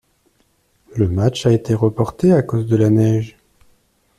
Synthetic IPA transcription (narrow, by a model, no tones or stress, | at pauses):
ləmat͡ʃaet̪eʁəpɔʁt̪eakozd̪əlanɛʒ